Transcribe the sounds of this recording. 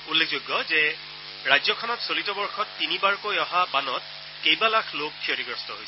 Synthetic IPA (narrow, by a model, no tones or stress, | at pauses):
ulːekʰzoɡːɔzɛ | ɹajzɔkʰɔnɔtsolitɔbɔɹxɔtːinibaɹkojɔɦabanɔt̚ | kejbalakʰlok̚pʰioɹiɡɹɔstɔɦojsɛ